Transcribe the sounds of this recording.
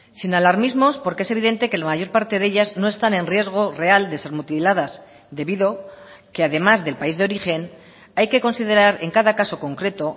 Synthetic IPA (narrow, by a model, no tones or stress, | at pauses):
sinalaɾmizmo̞spo̞ɾkee̞se̞β̞iðe̞nt̪e̞ke̞lamaʝo̞ɾpaɾt̪e̞ðe̞ʎazno̞e̞st̪anẽ̞nrje̞zɣ̞o̞re̞ald̪e̞se̞ɾmut̪ilaðas | d̪e̞βiðo̞ | ke̞aðe̞mazðe̞lpaizðeo̞ɾixe̞n | ajke̞ko̞nsiðe̞ɾaɾe̞ŋkaðakaso̞ko̞ŋkɾe̞t̪o